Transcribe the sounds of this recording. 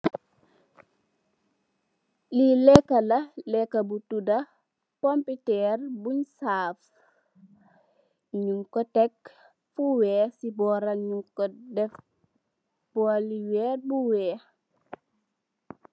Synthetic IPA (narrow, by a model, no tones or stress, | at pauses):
lilɛkːalɐlɛkːɐbutudɐ | pɔmpitɛrbuɲsaːf | ɲuŋkɔtɛk | fuwɛːsibɔːɾɐɲuŋkɔdɛf | b̥ɔliwɛːbuwɛː